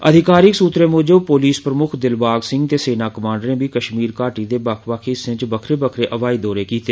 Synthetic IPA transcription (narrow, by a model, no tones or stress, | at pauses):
əd̪ʱɪkaːɾɪksuːt̪ɾeːmoːd͡ʒəbpoːliːspɾəmʊkʰd̪ɪlbaːɡsɪ̃ŋɡt̪eːseːnaːkəmãːɳɖnẽːbiːkəʃmiːɾkaːʈiːd̪eːbəkʰʋakʰisɪ̃t͡ʃbəkʰɾeːbəkʰɾeːʔəʋaːiːd̪ɔːɾeːkiːt̪eː